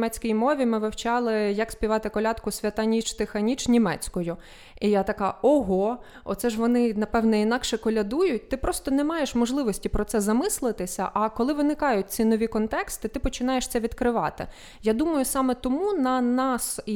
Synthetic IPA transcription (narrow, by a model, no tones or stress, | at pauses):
mɛt͡sʲkʲijmɔʋʲimɪʋewt͡ʃɑlˠɪjɐkspʲiʋɑt̪ɪkɔlʲɑt̪kʊsʲʋʲɐt̪ɐnʲit͡ʃt̪ɪxɐnʲit͡ʃnʲimɛ̰t͡sʲkɔjʊ | ijat̪ɐkɑɔɦɔ | ɔ̰t̪sɛʒʋɔnɪnɐpɛʋnɛinɑkʃɛkɔlʲɐd̪ujʊt̚ʲt̪ɪpɾɔst̪ɔnɛmɑjeʃmɔʒlˠɪʋɔsʲtʲipɾɔt̪sɛzɐmɪslˠɪt̪ɪsʲɐ̰ʔɐkɔlˠɪʋɪnɪkɑjʊt̚ʲt͡sʲinɔʋʲikɔnt̪ɛkst̪ɪt̪ɪpɔt͡ʃɪnɑjeʃt̪sɛʋʲid̪kɾɪʋɑ̰t̪ɪ̰ | jad̪umɐjʊsɑmɛt̪ɔmunɐnɑs